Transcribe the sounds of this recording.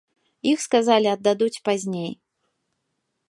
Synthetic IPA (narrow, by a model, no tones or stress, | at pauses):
ixskazalʲiɐd̪ːad̪ut͡sʲpazʲnʲej